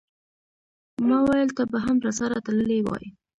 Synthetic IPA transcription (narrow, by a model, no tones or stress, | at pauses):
mɑwajəlt̪abaɦamɾasaɾat̪aləlewɑ̰ji